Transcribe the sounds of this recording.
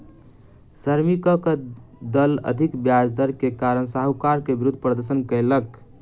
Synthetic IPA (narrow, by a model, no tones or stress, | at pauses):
səɾmikəkd̪ələ̰d̪ʱikbjad͡ʒd̪əɾkekaɾəɳsaɦukaɾkebɾud̪ʱpɾəd̪əɾsənkəɪlək